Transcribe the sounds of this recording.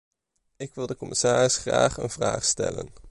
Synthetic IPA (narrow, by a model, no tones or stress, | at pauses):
ɪkʋɪlˠdəkɔmɪsaːrɪsχra̰ːχə̰nv̥raːχstɛlə̰n